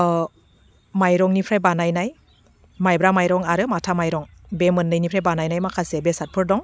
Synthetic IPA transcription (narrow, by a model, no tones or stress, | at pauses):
majɾɔŋnipʰɾajbanajnaj | majbɾamajɾɔŋaɾɯmatʰamajɾɔŋ | bemɯnːɯjnipʰɾajbanajnajmakʰasebesat̚pʰɯɾdɔŋ